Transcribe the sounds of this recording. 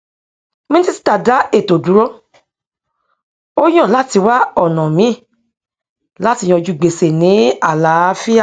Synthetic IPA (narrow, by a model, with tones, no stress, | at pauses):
mĩ˦ti˦˧si̥˦ta˨da˨˦e˦˨to˨du˨˦ɾɔ˦ | o˦j̃ɔ̃˦˨la˦ti˧wa˦ɔ˦˨nɔ̃˨mĩ˨˦˨ | la˦ti˧j̃ɔ̃˧d͡ʒu˨˧ɡ͡be˨se˨nĩ˨˦a˦˨la˨˦fi˦a˦˨